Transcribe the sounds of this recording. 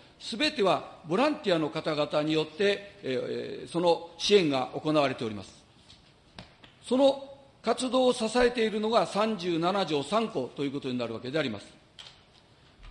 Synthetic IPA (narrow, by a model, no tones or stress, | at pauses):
sɨbe̞t̪e̞βabo̞ɾãnt̪ʲiano̞kat̪aɡat̪aɲ̟ijo̞t̪ːe̞ | so̞no̞ɕiẽ̞ŋɡa̰ʔo̞ko̞naβaɾe̞t̪e̞o̞ɾʲimasɨ̥ | so̞no̞ | kat͡sɨd̪o̞ːsasae̞t̪e̞iɾɯ̟no̞ɡasãɲ̟d͡ʑɨːnanaʑo̞ːsãŋko̞t̪ojɯ̟ːko̞t̪o̞ɲ̟inaɾɯ̟βake̞d̪e̞aɾʲima̰sɨ̥